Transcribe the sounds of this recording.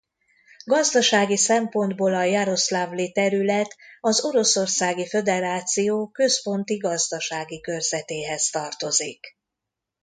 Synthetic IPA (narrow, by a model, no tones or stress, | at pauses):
ɡɒzd̪ɒʃaːɡisɛmpo̞nd̪boːlɒjaɾo̞slaːvlit̪ɛɾylɛt̪ɒzo̞ɾo̞so̞rsaːɡifø̞d̪ɛɾaːt̪sijoːkø̞spo̞nt̪iɡɒzd̪ɒʃaːɡikø̞rzɛt̪eːɦɛst̪ɒrt̪o̞zik